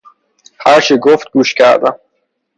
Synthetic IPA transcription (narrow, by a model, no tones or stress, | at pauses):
haɾʃeɡoft̪̚ɡuʃka̰ɾd̪a